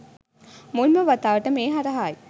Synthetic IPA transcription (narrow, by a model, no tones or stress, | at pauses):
mulməʋat̪aːʋəʈəmeːɦaɾəɦaːj